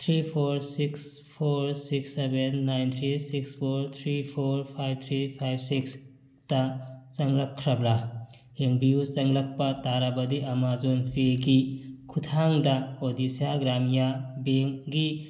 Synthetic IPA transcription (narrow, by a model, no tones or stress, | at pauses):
t̪ʰɾipʰoɾsiks | pʰoɾsiksebenːajnt̪ʰɾisikspʰoɾt̪ʰɾipʰoɾpʰajb̚t̪ʰɾipʰajb̚siks | tɐt͡ʃɐŋlɐp̚kʰɾɐbɾa | heŋbijut͡ʃɐŋlɐk̚pɐtaɾabɐdiʔɐmazonpʰeɡikʰutʰaŋdɐodisijaɡɾamijabeŋɡi